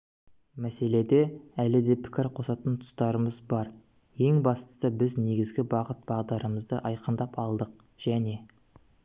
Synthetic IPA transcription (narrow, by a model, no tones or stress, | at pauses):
mæse̞le̞d̪e̞ælɪd̪e̞pʰɪ̥kʲɪɾqʰo̞sɑt̪ənt̪ʰʊ̥st̪ɑɾəməzbɑɾ | je̞ŋbɑst̪ə̥səbɪzne̞ɡʲɪzɡʲɪbɑqət̪̚b̥ɑʁd̪ɑɾəməzd̪əʔɑjqənd̪ɑpʰɑlˠd̪əq̚ | ʒ̥æne̞